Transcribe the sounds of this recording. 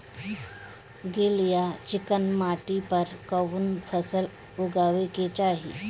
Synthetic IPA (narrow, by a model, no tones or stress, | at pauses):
ɡeljat͡ɕikənmaʈipəɾkəʋuːnfʰəsəl | uɡaʋeket͡ɕaɦḭ